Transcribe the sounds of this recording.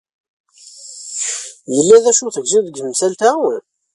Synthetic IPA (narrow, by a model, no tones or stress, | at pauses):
jəlːæðæʃuθəɡziðəɡəmsælt̪æ